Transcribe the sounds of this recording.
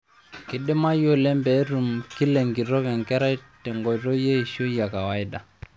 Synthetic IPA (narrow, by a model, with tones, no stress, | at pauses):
ki˨ɗi˦ma˦jo˦lɛ˦mbɛ˨˦ɾu˨mki˦lɛ˨ŋɡi˨ɾɔ˦kɛ˨ŋkɛ˦ɾa˦i˦tɛ˨ŋɡɔ˨ɾɔ˦je˦i˨ʃo˦ja˨ka˨wa˨˦i˦da˨